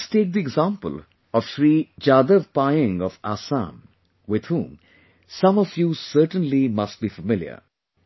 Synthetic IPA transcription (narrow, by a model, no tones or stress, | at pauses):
sʈeːk̚d̪iɪɡzãːmpə̰l | ɔʋʃɾiːd͡ʒaːd̪əʋpaɪɪ̃ŋɔfaːsã̰m | wɪd̪hũːm | sʌ̃mɔfjuːsəɾʈə̃nlimɐsʈ̚biːfəmɪljə̰